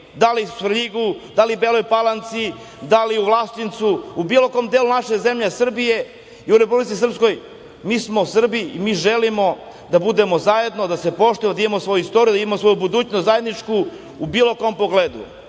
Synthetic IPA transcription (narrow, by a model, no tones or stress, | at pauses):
d̪alisʋɾʎiɡud̪alibelojpalˠant̪si | d̪aliuʋlˠast̪int̪suubiːlo̞ko̞ːmd̪eːlunaʃeze̞mʎesr̩bije̞ | iuɾepublit̪sis̬r̩psko̞j | miːsmo̞usr̩biimiːʒe̞limo̞ | d̪abud̪e̞mo̞zaje̞d̪nod̪ase̞po̞ʃt̪ojemod̪aimemosʋo̞juist̪oɾijud̪aimemosʋo̞jubud̪uːt͡ɕnost̪zaje̞d̪nit͡ʂkuː | biːlˠo̞ko̞mpoɡleːd̪ṵ